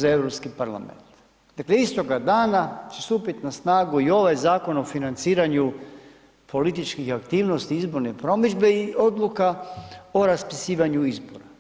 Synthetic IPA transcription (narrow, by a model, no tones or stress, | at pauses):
zaeʋɾopskipaɾla̰mḛnt̪ | d̪akleist̪o̞ɡad̪aːnat͡ʃest̪uːpit̪nasnaːɡuio̞ʋajzaːko̞no̞finant̪siːɾaɲu | po̞lit̪it͡ʃkixakt̪iːʋno̞st̪iizbo̞ɾnepɾo̞mid͡ʒbe̞iʔo̞d̪lukao̞ɾaspisiːʋaɲuizbo̞̰ɾa